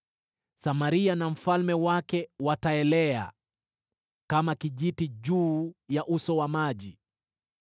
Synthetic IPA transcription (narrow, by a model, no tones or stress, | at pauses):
samaɾianam̩falmɛwakɛwataɛlɛa̰ | kamakiʄitiʄuːjaʔusɔwamaʄi